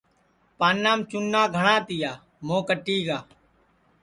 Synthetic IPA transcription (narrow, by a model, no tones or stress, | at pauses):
paːnːaːmt͡ʃʊnːãːɡʱəɳãːt̪ɪjaː | mõːkəʈːiːɡaː